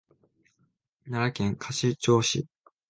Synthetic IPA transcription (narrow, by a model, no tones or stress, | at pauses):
naɾakẽŋkʰaɕit͡ɕoːɕḭ